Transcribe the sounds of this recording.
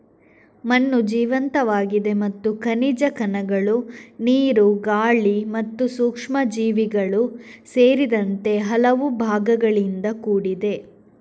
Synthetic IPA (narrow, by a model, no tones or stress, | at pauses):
mɐnːud͡ʒiːʋɐnt̪ɐʋaːɡid̪e̞mɐt̪ːukɐnid͡ʒɐkɐnɐɡɐɭuniːɾuɡaːɭimɐt̪ːusuːkʂmɐd͡ʒiːʋiɡɐɭuseːɾid̪ɐnt̪e̞ɦɐlɐʋubʱaːɡɐɡɐɭind̪ɐkuːɽid̪e̞